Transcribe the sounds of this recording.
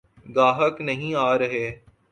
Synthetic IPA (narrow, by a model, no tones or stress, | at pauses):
ɡaːɦəknɐɦĩaːɾɐɦeː